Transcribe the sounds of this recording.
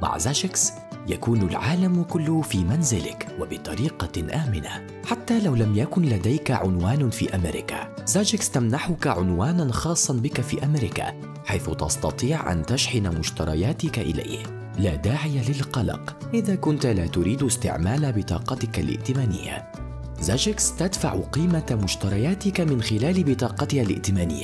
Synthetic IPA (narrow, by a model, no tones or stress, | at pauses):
ma̰ʕzad͡ʒɪks | jakuːnalʕaːlamkʊlːʊhfiːmanzɪlɪkwabɪt̪ˤɑɾiːqɑʔaːmɪna̰ | ħat̪ːaːlawlamjakʊnlad̪ajkaʕʊnwaːnfḭːʔamɪɾɪ̰kazad͡ʒɪkst̪amnaħʊkaʕʊnwaːnanxɑːsˤːɑnbɪkafḭːʔamɪɾɪka̰ː | ħajθʊt̪ɑ̰st̪ɑ̰t̪ˤiːʕʔa̰nt̪aʃħɪnamʊʃt̪ɑɾˤɑ̰jaːt̪ɪkaʔɪ̰la̰jh | laːd̪aːʕɪjalɪlqɑlɑ̰qʔɪðaːkʊnt̪alaːt̪ʊɾiːd̪ɪst̪ɪ̰ʕmaːlabɪt̪ˤɑ̰ːqɑt̪ɪkalʔɪ̰ʔt̪ɪmaːnɪ̰jːa̰ | zad͡ʒɪkst̪ad̪fa̰ʕqiːmamʊʃt̪ɑɾˤɑjaːt̪ɪkamɪnxɪlaːlɪbɪt̪ˤɑːqɑt̪ɪkalɪ̰ʔt̪ɪmaːnɪ̰jːa